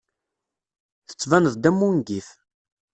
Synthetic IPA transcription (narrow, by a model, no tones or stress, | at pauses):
θə̥t͡sːvænəðd̪æmːunɡiθ